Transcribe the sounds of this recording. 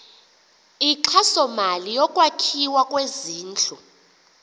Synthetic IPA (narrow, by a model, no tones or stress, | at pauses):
iǁʰasɔmalijɔkʼwakʰiwakʼweziːnt͡ɬʰʼu